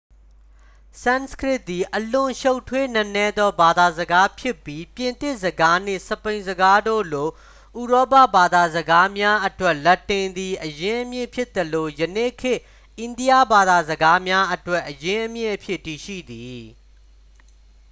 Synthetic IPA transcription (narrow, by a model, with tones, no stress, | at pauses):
sã˦˨nskɹɪ˦ʔ̪̚t̪ːi˨ʔəlʊ̃˨ʃo˦ʊtʰwe˦nə˦nɛ˦d̪ɔ˦ba˨d̪a˨zəɡa˦pʰjɪ˦pːji˦pjɪ̃˨nt̪ɪ˦˨ʔzəɡa˦n̥ḛ˦˨səpẽ˨ɪ̃zəɡa˦do̰˦˨lo˨ | ʔu˨ɹɔ˦pa̰˦˨ba˨d̪a˨zəɡa˦mja˦ʔətwɛ˦ʔlɛ˦tːɪ̃˨nd̪i˨ʔəjɪ̃˦ʔəmjɪ̰̃˦˨pʰjɪ˦t̪ːəlo˨jənḛ˦˨kʰɪ˦ʔ | ʔɪ̃˨ndi˦ja˦˨ba˨d̪a˨zəɡa˦mja˦ʔətwɛ˦˨ʔːəjɪ̃˦ʔəmjɪ̰̃˦˨ʔəpʰjɪ˦˨tːi˨ʃḭ˦˨d̪i˨